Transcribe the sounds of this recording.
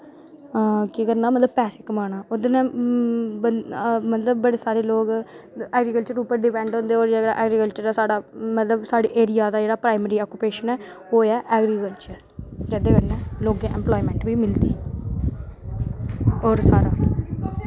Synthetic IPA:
kikəɾnaːmət̪ləbpɛːsɪkmaːnaːoːd̪enɛ̃ː | bəmət̪ləbːəɽeːsaːɾeːloːɡɛːɡɾiːkəlt͡ʃəɾuːpəɾɖɪpɛ̃ːɳɖõːnd̪eːoːɾd͡ʒaːd͡ʒeːɽa̰ːʔɛːɡɾiːkəlt͡ʃəɾːsaːɽaːmət̪ləbsaːɽḛːʔeːɾɪjaːd̪aːd͡ʒeːɽaːpɾaːɪməɾiːɔːkːupeːʃənɛː | oːɛːʔɛːɡɾikəlt͡ʃəɾ | d͡ʒed̪eːʋənɛːloːɡẽːʔɛ̰̃mplɔːimɛ̃ːɳʈʋiːmɪld̪iː | ɔːɾsaːɾa̰ː

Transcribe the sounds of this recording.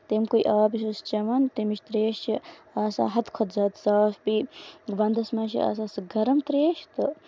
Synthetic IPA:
t̪emkujʔaːbiʃust͡ʃɐʋant̪emiʃʰt̪ɾeːʃt͡ʃʰi | aːsa̰ːɦɐt̪kʰɔt̪zɐːt̪saːfbiʋɐnd̪ɐsmɐːʃḭa̰ːsaːsɨɡɐɾɐmt̪ɾeːʃt̪ɨ

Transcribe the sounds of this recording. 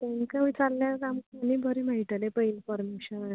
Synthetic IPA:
t̪ãŋkaʋit͡saɾljakamkanibʱəɾim̤aɦiʈəlepəinfɔɾmeɕəna

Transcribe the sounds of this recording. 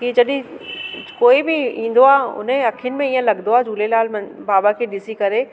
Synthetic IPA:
kid͡ʑɐɗɪ̃ | koːibɪĩːn̆d̪oaːʊ̰n̤ə̃ɐkʰənɪ̆mẽiːə̃lɐɡnoaːd͡ʑʱuːlelaːlmnbaːbakʰeɗɪsikɐɾe

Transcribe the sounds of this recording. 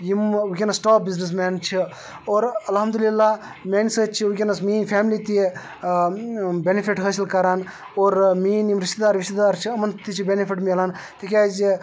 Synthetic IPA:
jimʋikʲenɐsʈaːp̚biznis̬mɛːnt͡ʃʰi | oːɾɐlɦɐmd̪ulilːaː | meːnsəːt͡ʃʰiʋikʲenɐsmiːnfʰaːmlit̪i | bʲenifʰiʈɦəsilkɐɾaːn | oːɾmiːnjimɾiʃt̪ed̪aːɾʋiʃt̪ed̪aːɾt͡ʃʰiɐmɐnt̪it͡ʃʰibʲenifiʈmelaːnt̪ʰikʲaːd͡ʒi

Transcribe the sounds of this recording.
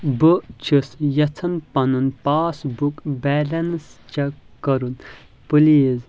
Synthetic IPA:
bɨt͡ʃʰɨsjɐt͡sʰɐnpɐnunpaːsbukbɛlɐnst͡ʃɐkɐɾun | pɨliz

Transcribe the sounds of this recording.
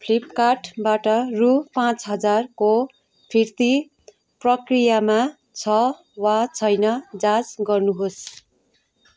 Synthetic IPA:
pʰlipkaʈbaʈʌrupãt͡sɦʌd͡zarko | pʰirt̪i | prʌkrijama | t͡sʰʌ | wat͡sʰʌjnʌd͡zad͡zɡʌrnuɦos

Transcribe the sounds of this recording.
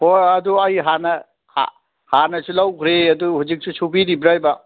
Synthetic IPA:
hojɐduɐjɦanɐ | ha̰ | hanɐsulawkʰɾeɐduɦuzik̚sʰusubiɾibɾajbɐ

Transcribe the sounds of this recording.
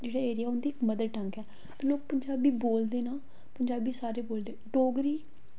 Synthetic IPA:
d͡ʒeːɽaːeːɾɪjaːɦʊ̃nd̪iːɪkməd̪əɾʈəŋkɛː | t̪õːloːk̚pəɲd͡ʒaːbiːboːld̪eːnaː | pəɲd͡ʒaːbiːsaːɾeːboːld̪eːʈoːɡɾiː

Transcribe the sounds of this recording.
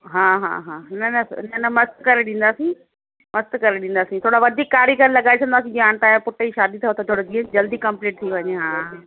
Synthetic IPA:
ɦãːɦã̰ːɦãːnɐnɐ̰nɐnɐmɐst̪kɐɾeɗĩːn̆d̪aːsĩ | mɐst̪kɐɾeɗĩːn̆d̪aːsĩt̪ʰoːɽaʋɐd̪ʱiːkːaːɾjikəɾlɐɠaːesʰɐ̃nd̪aːs̬ĩd͡ʑaːɳ̃t̪aːjapʊʈəiʃaːd̪it̪ʰiot̪ʰot̪ʰoːɽod͡ʑiẽd͡ʑɐld̪ikɐ̃mpleːʈ̚t̪ʰiʋɐɲeɦãː

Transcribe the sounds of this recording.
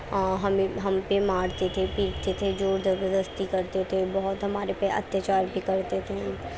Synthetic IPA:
ɦɐmẽɦɐmpemaːɽt̪et̪ʰepiːɾt̪et̪ʰed͡ʒoːɾd͡ʒ̪əbəd̪əst̪ikɐɾt̪et̪ʰebɔɦʊt̪ɦɐmaːɾepeʔɐ̰t̪jət͡ʃaːɾbʱikɐɾt̪et̪ʰe

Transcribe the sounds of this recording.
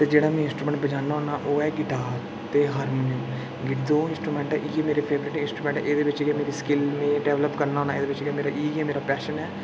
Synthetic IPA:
t̪eːd͡ʒeːɽaːmɛ̃ːɪ̃nsʈɾuːmɛ̃ɳʈbəd͡ʒaːnaːɦoːnaːʔoːɛːɡɪʈaːɾ | t̪eːɦaːɾmoːniəm | ɡɪʈd̪oːɪ̃nsʈɾuːmɛ̃ːɳʈɛːʔiːɛːmeːɾeːpʰeːʋɾɪʈiɪnsʈɾuːmɛ̃ɳʈːʔeːd̪eːʋɪt͡ʃɡemeːɾiːskɪlmẽːɖɛːʋləpkəɾnaːɦoːnaːeːd̪eːʋɪt͡ʃɡeːmeːɾaːʔiːɛːmeːɾaːpɛːʃənɛː

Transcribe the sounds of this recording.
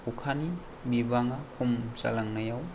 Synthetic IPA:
ukʰani | bibaŋakʰumsa̰laŋnajaw

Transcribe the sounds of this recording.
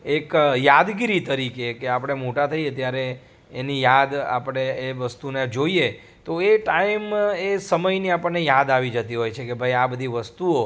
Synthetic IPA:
ekjad̪ɡiɾit̪əɾikekeapəɽ̃emoʈat̪ʰəiet̪jaɾeː | nijad̪a̰pəɽ̃eeʋəst̪uned͡ʒoie | t̪oeʈaimesəməjniapəɳːejad̪aʋid͡ʒət̪iɦojt͡ʃʰekebʱəjabəd̪ʱiʋəst̪uo

